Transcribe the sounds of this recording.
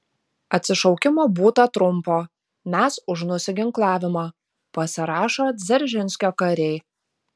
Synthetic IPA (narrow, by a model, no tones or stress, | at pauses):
ɐt̪ʲsʲɪʃɔʊkʲɪmoːbuːt̪ɐt̪ɾʊmˑpoː | mʲæsʊʃnʊsʲɪɡʲɪŋklˠɑːʋʲɪmɐ | pɐsʲɪɾɑːʃoːzʲɛɾʲʒʲɪnʲsʲkʲoːkɐɾʲɛɪ